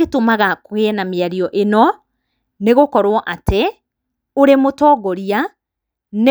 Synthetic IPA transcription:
etomaɣakoɣeɛnameaɾiɔʔenɔ | neɣokɔɾwɔʔate | oɾemotɔːɣɔɾia | ne

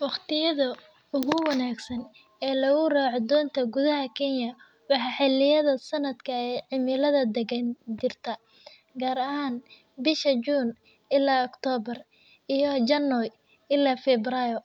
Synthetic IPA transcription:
wɑχt̪ʰɪjɐðɐ | ʊɣʊwɑnaːɡsɐn | ɛːlɐɣʊraːʕd̪ɔːnt̪ʰɐɡʊðɐɦɐkʰɛnjɐ | wɑħɑħɪlɪjɐðɐsɐnɐd̪kʰɐɛjʕɪmɪlɐðɐd̪ɛɡɐnd͡ʒɪrt̪ʰɐ | ɡaːɾɐɦaːn | bɪʃɐd͡ʒuːn | ʔɪlaːɔkt̪ʰɔːbɐr | ijɔd͡ʒɐnːɔj | ɪlaːfɛbrajɔ

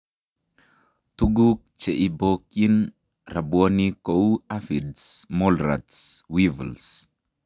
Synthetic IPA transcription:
tuɡuk̚t͡ʃeʔibokin | rabwonikowafidsmɔlɾa̰tswivə̰ls

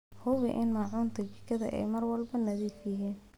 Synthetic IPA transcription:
hʊβɪʔɪnmaːʕʊːnt̪ʰɐt͡ʃɪkʰɐðɐ̰ʔɛ̰jmɐrwɐlbɐnɐðiːfjɐɦiːn

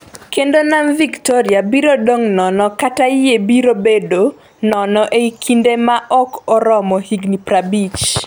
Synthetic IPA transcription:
kendonamviktoɾɪabiɾodoŋnɔnɔkatajebiɾobedo | nɔnɔʔeikʰindemaʔɔkɔɾɔmɔhiɡniprabit͡ʃ

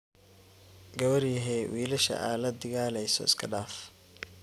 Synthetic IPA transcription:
ɡɐwɐrjɐɦɛwʔiːlɐʃɐ̰ʔaːlɐd̪ɐɣaːlɛjsɔ̰ɪskʰɐɖaːf

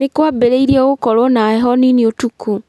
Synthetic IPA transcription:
ekwabeɾeiɾiɔɣokɔɾwɔnaɛɦɔniniotukʰu

